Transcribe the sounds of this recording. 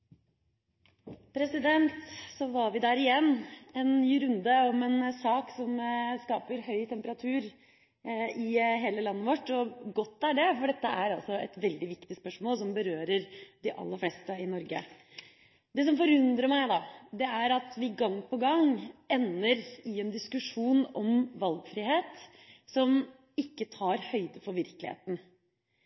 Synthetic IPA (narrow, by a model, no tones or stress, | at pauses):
pʰɾɛsɪd̪ɛnt̪sɔʋɑɾʋɪd̪æːɾɪjɛnːɛnnyːɾʉnd̪əɔmɛnsɑːksɔmskɑːpəɾhœʏt̪ʰɛmpəɾɑt̪ʰʉːɾ | ɪɦeːləlɑnːəʋɔʈːɔɡɔt̪ːæɖɛfɔɖɛt̪ːəʔæɾɑlsɔɛt̪ʋɛld̪ɪʋɪkt̪ɪspœʂmoːlsɔmbəɾøːɾəɾd̪ɪʔɑ̰lːəɾflɛst̪əɪnɔɾɡə̰ | d̪ɛs̬ɔmfɔɾʉnd̪ɾəmæɪd̪ɑd̪ɛæɾɑt̪ʋɪɡɑŋːpɔɡɑŋɛnːəɾɪɛnd̪ɪskʉʂuːnɔmʋɑlɡfɾiːheːt̪ | sɔm | ɪkːət̪ʰɑːɾhœʏd̪əfɔɾʋɪɾklɪ̰hḛːt̪n̩